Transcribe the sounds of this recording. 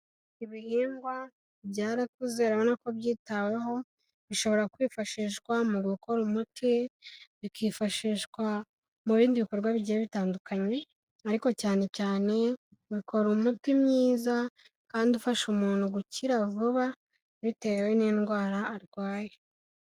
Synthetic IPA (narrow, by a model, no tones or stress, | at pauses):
iβihiːŋɡwa | βɟaːɾak̚uzeɾaβonako̞βjiːtawe̞ɦo̞ | βiʃo̞βo̞ɾakwiːfaʃiːʃkwamuɡukʰo̞ɾumutʰiβikʰiːfaʃiːʃkwa | muβiːndiβiko̞ɾɡwaβiɟieβitaːndukaɲe̞ | aɾiko̞caːne̞caːne̞ | uβikʰo̞ɾumutimɲiːza | kaːndiufaʃumuːnhuɡuciɾavuβa | βite̞weninɡwaːɾaːɾɡwaːje